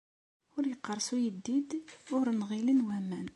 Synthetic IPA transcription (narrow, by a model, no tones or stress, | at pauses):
ʊɾjəqːəɾˤsujəd̪ːid̪ʊɾnʁilənwæmæn